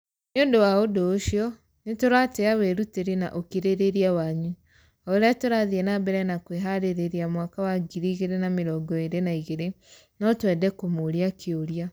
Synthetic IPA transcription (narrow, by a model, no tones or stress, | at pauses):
noːndowaodoːʃiɔ | netoɾateawɛɾuteɾena̰ʔokiɾeɾeɾiawaːɲu | ɔoɾeatoɾaðiɛnabɛɾɛnakweɦaɾeɾeɾiamwakawaɡiɾiːɣeɾenameɾɔɡɔeɾenaiɣeɾe | nɔtwɛdɛkomoɾiakʰeoɾia